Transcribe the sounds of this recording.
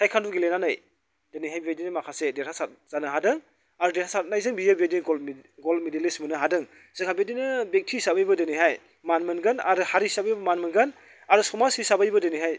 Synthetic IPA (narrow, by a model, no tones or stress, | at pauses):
sajkʰanduɡilenanɯj | d̥enijɦajbiadinɯmakʰasedetʰasat̚z̥anɯɦadɯŋ | aɾudetʰasat̚najzɯŋbijabedinɡolɡolmedilismɯnɯɦadɯŋ | z̥ɯŋhʰabedinɯbek̚tʰisabajbɐdeniɦaj | manmɯnɡɯna̰ɾɯhaɾisabajbɐmanmɯnɡɯn | aɾusɔmasisabajbɐdeniɦaj